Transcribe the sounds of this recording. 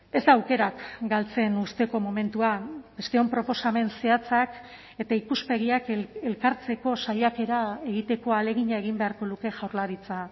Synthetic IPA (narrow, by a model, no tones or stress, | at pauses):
e̞zd̪aːwke̞ɾakɡalt͡se̞nust̪eko̞mo̞me̞nt̪uabe̞st̪e̞o̞mpɾo̞po̞same̞nse̞at͡sak | e̞t̪aikuspe̞ɣ̞iake̞lkaɾt͡se̞ko̞sajake̞ɾae̞ɣit̪e̞ko̞ale̞ɣiɲae̞ɣimbe̞aɾko̞luke̞ʝawɾlaɾit͡sa